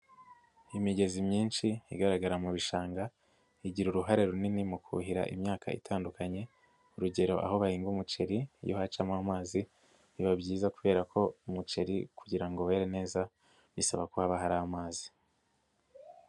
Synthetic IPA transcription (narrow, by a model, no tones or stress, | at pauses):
imiɟe̞zimɲiːnʃiiɡaɾaɡaɾamuβiʃaːŋɡa | iɟiɾuɾuɦaɾe̞ɾuninimukʰṵɦiɾa̰ʔḭmɲaːka̰ḭtʰaːndukaɲe̞ | uɾuɟe̞ɾo̞ʔa̰ho̞βahiːŋɡumut͡ʃe̞ɾijohat͡ʃaːmaamaːzi | iβabɟiːzakuβe̞ːɾakʰo̞umut͡ʃe̞ɾikuɟiɾaŋɡo̞we̞ːɾene̞ːza | βisaβakuhaβaɦaɾaːamaːzi̥